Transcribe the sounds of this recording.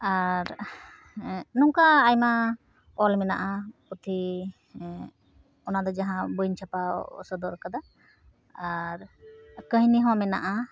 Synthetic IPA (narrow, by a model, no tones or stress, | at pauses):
aɾ | nɔŋkaːjma | ɔlmɛna̰ʔapɔt̪ʰi | ɔnad̪ɔd͡ʒaɦãbɔjnt͡ʃʰapa̰ɔ̰sɔd̪ɔɾkad̪aː | ɾkəɦniɦɔ̃amɛna̰ʔa